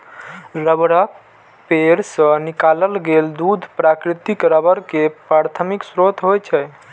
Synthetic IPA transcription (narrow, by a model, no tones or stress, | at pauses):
ɾəbɽək | peɾsə̃nikaləlɡeld̪ud̪ʱpɾakɾit̪ikɾəbəɾkepɾaɾt̪ʰəmiksɾot̪ʰɦojt͡ʃʰɛ